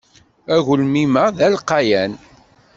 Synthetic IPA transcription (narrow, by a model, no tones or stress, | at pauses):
æɣʊlmiməðælqɑjæn